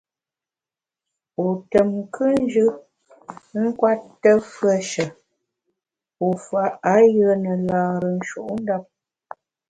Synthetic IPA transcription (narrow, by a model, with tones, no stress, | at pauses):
o˨tə˨mkʰɨ˦n̩˦d͡ʒɯ˦ | ŋ̩˦kwa˦tːə˦fɰə˦˨ʃə˨ | o˨fa˨˦a˨˦jə˦nə˨laː˨ɾə˨n̩˦ʃṵ˨ʔn̩˦da˦p̚